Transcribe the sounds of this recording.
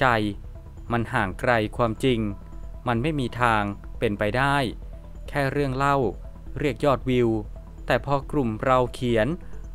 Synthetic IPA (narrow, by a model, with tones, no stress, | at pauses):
t͡ɕa˧j | ma˧nɦaː˩˦ŋkɾa˧jkʰwaː˧mt͡ɕi˧ŋ | ma˧nma˥˩jmiː˧t̪ʰaː˧ŋpe˧npa˧jdaː˥˩j | kʰɛː˥˩ɾɯ˥˩əŋla˥˩w | ɾi˥˩ək̚jɔː˥˩t̪̚wi˧w | t̪ɛː˨˩pʰɔː˧kɾu˨˩mɾa˧wkʰi˨˩˦ən